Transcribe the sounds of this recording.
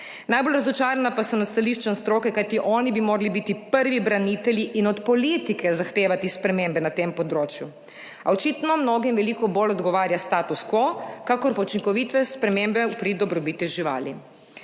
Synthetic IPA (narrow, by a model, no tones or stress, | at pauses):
naːjbolɾazɔt͡ʃaːɾanapasɔnat̪st̪aliʃt͡ʃɛnst̪ɾoːkɛkajt̪iʔɔːnibimoːɾalibiːt̪ipəɾʋibɾaniːt̪ɛljiʔinɔt̪pɔliːt̪ikʰɛzaxt̪eːʋat̪ispɾɛmembɛnat̪eːmpɔd̪ɾoːt͡ʃju | ɔt͡ʃiːt̪nɔmnoːɡimʋɛlikɔboːlɔd̪ɡɔʋaːɾjast̪aːt̪uskʋɔkakɔɾpaut͡ʃiŋkɔʋiːt̪ʋɛspɾɛmembɛpɾid̪ɔbɾɔbiːt̪iʒiʋa̰ːlḭ